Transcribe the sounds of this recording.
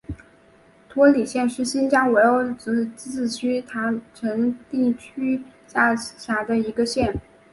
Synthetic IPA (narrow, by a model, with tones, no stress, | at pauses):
t̪ʰwɔ˧˥li˨˩ɕjɛ˥˧nʂɻ̩˥˩ɕi˥nt͡ɕjɑ˥ŋwe˧˥ɪo˥˩ʊʈ͡ʂ̩˧˥t͡s̩˥˩t͡ɕʰy˥t̪ʰa˧˥ŋʈ͡ʂʰə˧˥ŋt̪i˥˩t͡ɕʰy˥ɕja˥˩ɕja˧˥d̪ə˧i˧˥ɡə˧ɕjɛ˥˩n